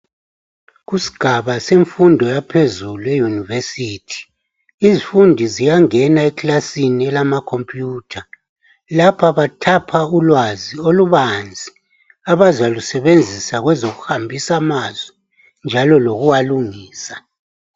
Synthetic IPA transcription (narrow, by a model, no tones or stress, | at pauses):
ɣusi̥ɡ̥ʱaβaseɱfundʱɔjapʰezuluɛjunivesiːtʰi̥ | izifundʱizijaŋɛnaɛkʰʼlasiniɛlamakʰompʼjuːtʰa | lapʰaβatʰapʰaulwazioluβand͡zʱi | aβazalusɛβend͡zʱisaɣwɛzoɣuhambʱisamazwɛ | nd͡ʒʱalɔloɣuwaluŋiːsa